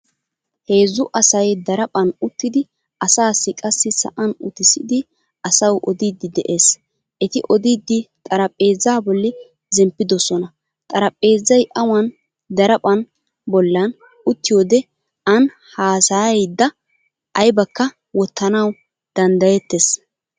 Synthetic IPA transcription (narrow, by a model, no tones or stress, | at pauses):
he̞ːzːʊʔɐsɐjd̪ɐɾɐpʼɐnʊt̪ːɪd̪ɪ | ɐsaːsːɪkʼɐsːɪsɐ̰ʔɐnʊt̪ɪsɪd̪ɪ | ʔɐsɐwʔɔd̪iːd̪ːɪd̪ɛʔe̞ːs | ʔɛt̪ɪʔɔd̪id̪ːɪt̪ʼɐɾɐpʼːe̞ːzːaːbɔlːɪ | zɛmpːɪd̪ɔsɔnɐ | t̪ʼɐɾɐpʼːeːzːɐjʔɐwɐn | d̪ɐɾɐpʼɐn | bɔlːɐn | ʊt̪ːɪjoːd̪ɛ | ɐn | haːsajd̪ːɐ | ʔɐjbɐkːɐ | wɔt̪ːɐnɐw | d̪̥ɐnd̪ɐjɛt̪ːes